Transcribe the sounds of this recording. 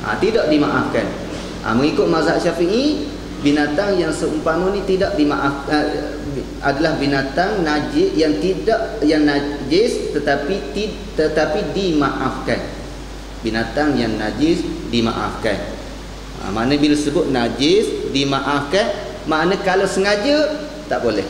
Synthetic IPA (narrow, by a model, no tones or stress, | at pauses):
ʔa̰t̪idaʔdimaʔafkan | ʔa̰məŋikʊt̪̚mazaʔʃafiʔi | binat̪aŋjaŋsəumpamənĩt̪idaʔdimaʔafa | a̰dalahbinat̪aŋnad͡ʒɪjaŋt̪idaʔjaŋnad͡ʒɪst̪ət̪apit̪i | t̪ət̪apidimaʔafkan | binat̪aŋjaŋnad͡ʒɪsdima̰ʔa̰fka̰n | a̰manə̃bilasəbʊt̪̚nad͡ʒɪsdimaʔafkan | maʔnə̃kalawsəŋad͡ʒə | t̪aʔbolɛ̰h